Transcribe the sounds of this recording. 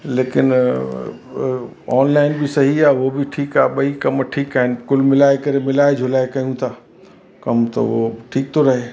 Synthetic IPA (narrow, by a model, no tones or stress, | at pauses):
leːkɪn | ɔːnlaɪnbʱisɐɦiaʋobʱiʈʰiːkaːɓɐikɐmʈʰiːkaːɦɪnkʊlmɪlaːekɐɾemɪlaːed͡ʒʱʊlaːekɐɦiũt̪ʰa | kɐmt̪ɐ̰ʋoʈʰiːk̚t̪ʰoɾɐɦe